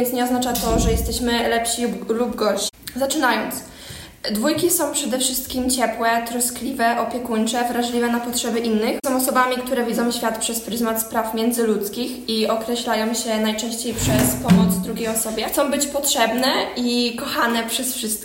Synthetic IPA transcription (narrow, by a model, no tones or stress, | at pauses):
ɛnt̪sɲɛɔznat͡ʂat̪ɔʐɛjɛst̪ɛɕmɘlɛpɕilubɡɔɕzat͡ʂɘnajɔnt̪s | d̪vujkʲisɔ̃w̃pʂɛd̪ɛfʂɘst̪kʲimt͡ɕɛpwɛt̪ɾɔsklʲivɛʔɔpʲjɛkuɲt͡ʂɛvɾaʐlʲivɛnapɔtʂɛbɘʔinːɘxsɔ̃w̃ɔsɔbamʲikt̪uɾɛvʲid̪zɔ̃w̃ɕfʲjat̪pʂɛspɾɘzmat̪spɾafmʲjɛnd̪zɘlut̪skʲixiɔkɾɛɕlajɔ̃w̃ɕɛnajt͡ʂɛ̃w̃ɕt͡ɕejpʂɛspɔmɔd̪zd̪ɾuɡʲejɔsɔbʲjɛt̪sɔ̃w̃bɘt͡ɕpɔtʂɛbnɛʔikɔxanɛpʂɛsfʂɘst̪̚